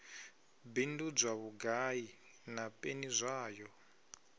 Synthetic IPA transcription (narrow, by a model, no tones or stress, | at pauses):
bindud͡zwaβuɡai | napʼenizʷaːjɔ